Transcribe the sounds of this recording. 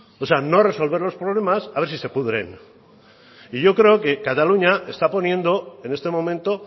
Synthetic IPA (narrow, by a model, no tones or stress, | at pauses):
ose̞ano̞re̞so̞lβe̞ɾlo̞spɾoβ̞le̞masaβe̞ɾsise̞puðɾe̞̰n | iʝo̞kɾe̞oke̞kat̪aluɲaʔe̞st̪apo̞njẽ̞nd̪o̞e̞ne̞st̪e̞mõ̞mẽnt̪o̞